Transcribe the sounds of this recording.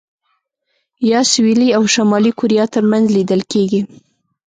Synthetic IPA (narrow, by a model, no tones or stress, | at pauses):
jɑswiliawʃamɑlikʊɾijɑt̪əɾmanzlid̪əlkeɡi